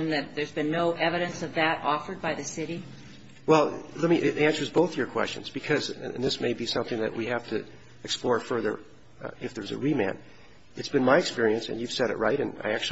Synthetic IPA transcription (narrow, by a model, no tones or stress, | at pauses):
nðɨt̪̚ðə˞zbɨ̃nːoʊʔɛvɨɾɨ̃nsʌvðɨɾʔɔfə˞d̚baɪðɨsɪɾi | wɛlˠlɛt̚miʔɪɾæ̃nsə˞zboʊθjə˞kʰw̥ɛ̰st͡ʃɨ̰̃nzbɨkʰʌz̃nðɪsmeɪbisʌ̃mθɪ̃ŋðɨ̰ʔwiɦæftʰɨ | ɨksplɔɹfɜ˞ðə̰˞ | ɨfðə˞zɨ̰ɹimæ̰̃n | ɨtsb̥ɨ̃nmaɪɨkspɪɹiɨ̃nsɨ̰̃njʉv̥sɛɾɨ̰ʔ̚ɹaɪɾɨ̃na̰ɪæk̚t͡ʃʉ